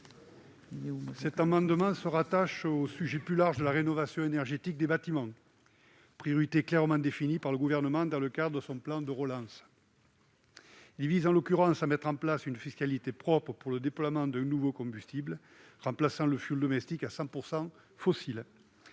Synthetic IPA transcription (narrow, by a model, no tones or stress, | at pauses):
sɛt̪ãmɑ̃d̪əmɑ̃səʁat̪aʃosyʒeplylaʁʒəd̪əlaʁenɔvasjɔ̃enɛʁʒet̪ik̚d̪ebat̪imɑ̃ | pχijɔʁit̪eklɛʁmɑ̃d̪efinipaʁləɡuvɛʁnəmɑ̃d̪ɑ̃ləkad̪ʁəd̪əsɔ̃plɑ̃d̪əʁəlɑ̃s | ilvizɑ̃lɔkʲyʁɑ̃samɛt̪χɑ̃plasynəfiskalit̪epχɔpχəpuʁləd̪eplwamɑ̃d̪ɛ̃nuvokɔ̃mbyst̪ibl | ʁɑ̃plasɑ̃ləfjyld̪ɔmɛst̪ikasɑ̃puʁsɑ̃ | fɔsil